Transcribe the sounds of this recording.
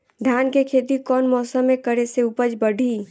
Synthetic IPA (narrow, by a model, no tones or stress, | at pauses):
d̪ʱjaːnkekʰeːt̪ikɔːnmɔːsəmːẽkəɾeseupəd͡ʒbəɖʱi